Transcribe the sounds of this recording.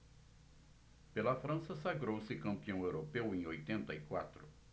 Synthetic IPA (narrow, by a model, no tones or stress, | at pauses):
pelɐfɾɐ̃sɐsaɡɾowsɪkɐ̃mpiɐ̃w̃ewɾopewẽj̃ojt̪ẽnt̪ɐikwa̰t̪ɾʊ